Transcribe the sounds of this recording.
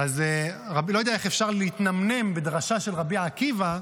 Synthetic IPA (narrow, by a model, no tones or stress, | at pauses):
azʁabilojdɛaeχefʃaʁleit̪namne̞mbed̪ʁaʃaʃelʁabiakiva